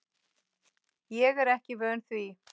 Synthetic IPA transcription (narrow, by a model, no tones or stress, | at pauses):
jɛɣɛɾɛhcɪvœːnθvi